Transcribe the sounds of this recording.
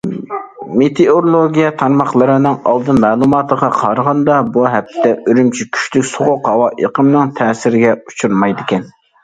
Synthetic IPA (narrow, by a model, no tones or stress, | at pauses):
met̪ʰeoɾlˠoɡʲijɛt̪ʰɑɾmɑχlˠəɾɨnɨŋɑ̰lˠd̪ɨnmɛːlˠumɑːt̪ʰəʁɑqʰɑɾʁɑnd̪ɑbuɦɛp̚t̪ʰːɛʔøɾymt͡ʃʰikʲʰy̥ʃlykʲsoʁʊqhɑwɑʔeqəmnɨŋt̪ʰɛːsɪɾɪɡʲɛut͡ʃʰuɾmɑjd̪ɪkʲɛn